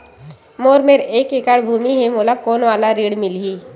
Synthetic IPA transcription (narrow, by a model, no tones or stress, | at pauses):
moːɾmeːɾeːkekaɽbʱuːmiɦɛ̃moːlakoːnʋaːlaɾiːɽmɪlɦiː